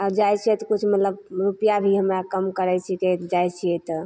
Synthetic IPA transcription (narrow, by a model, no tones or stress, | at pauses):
ad͡ʒajt͡ʃʰiɛt̪ɔkut͡ʃʰmət̪ləbɾupijabʱiɦəmɾakəmkəɾɛt͡ʃʰiket̪d͡ʒajt͡ʃʰiɛt̪ɔ